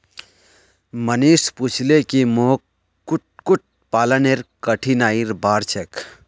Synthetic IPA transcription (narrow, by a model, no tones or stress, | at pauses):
məniːsput͡ʃʰlekimo | kuʈ̚kuʈ̚ | paːləneɾkəʈʰinaːiɾbaːɾt͡ʃʰek